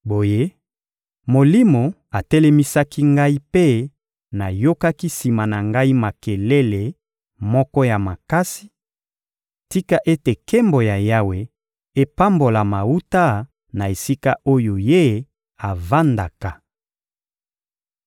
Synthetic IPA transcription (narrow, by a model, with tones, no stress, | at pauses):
bo˨je˦ | mo˨li˦mo˨ | a˨tɛ˦lɛ˦mi˦sa˦ki˦ŋɡa˦i˦pe˦ | na˨jo˦ka˦ki˦si˨ma˨na˨ŋɡa˦i˦ma˨ke˨le˦le˨ | mɔ˦kɔ˦ja˨ma˨ka˦si̥˦ | ti˦ka˦ʔe˦te˨ke˦mbo˨ja˨ja˦we˨ | e˦pa˦mbo˨la˨ma˨u˦ta˦ | na˨e˨si˦ka˦ʔo˦jo˨je˦ | a˨va˦nda˨ka˨